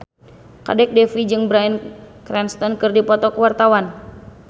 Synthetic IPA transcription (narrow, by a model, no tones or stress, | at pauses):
ka̰dɛk̚dɛfid͡ʒɨŋbɾainkɾɛnst̪ɔnkɨrdipɔt̪ɔkəwart̪awan